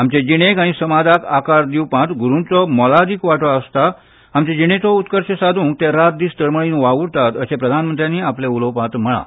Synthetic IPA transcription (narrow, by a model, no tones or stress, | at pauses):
amt͡ɕed͡ʑiɽ̃ekaɽ̃isəmad̪ʱakakaɾd̪iwpãt̪ɡʱuɾũt͡sɔmɔlad̪ikʋaʈɔəst̪a | amt͡ɕed͡ʑiɽ̃et͡sɔut̪kəɾɕesad̪ʱũːŋk̚t̪eɾat̪̚d̪iːst̪əɾməɭinʋauɾt̪at̪əsepɾəd̪ʱanmənt̪ɾjaniapleulopãt̪m̤əɭa̰